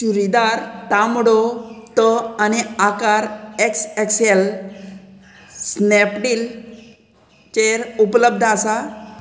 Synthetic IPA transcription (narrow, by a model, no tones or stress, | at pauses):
ɕuɾid̪aɾt̪amɽot̪əaniakaɾekseksel | snɛpɖiːl | t͡ɕeɾupləb̚d̪ʱasa